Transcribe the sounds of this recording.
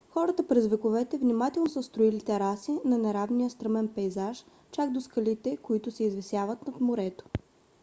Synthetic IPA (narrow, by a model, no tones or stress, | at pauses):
xɔɾət̪əpɾɛzvɛkovɛt̪ɛvnʲimat̪ɛlˠnosəst̪ɾʊilit̪ɛɾasinɐnɛɾavnijəst̪ɾəmɛnpɛjzaʃ | t͡ʃaɡd̪oskɐlit̪ɛkoit̪ʊsɛizvɛsʲjavət̪nɐt̪moɾɛt̪o̥